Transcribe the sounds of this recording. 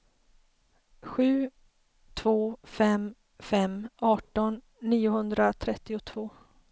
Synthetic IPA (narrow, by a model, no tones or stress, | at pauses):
ɧʉ̟ː | t̪ʰvoːfɛm | fɛmɑːʈɔnː | iːʊhɵnd̪ɾat̪ʰɾɛt̪ːɪʊt̪ʰv̥oː